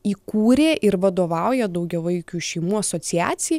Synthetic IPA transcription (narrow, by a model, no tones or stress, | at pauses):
iːkuːɾʲeːʔɪɾʋɐd̪oːʋɑˑʊjɛd̪ɐʊɡʲɛʋɐɪkʲuːʃʲɛɪmuːɐsoːt̪ʲɪæ̰ːsʲɪj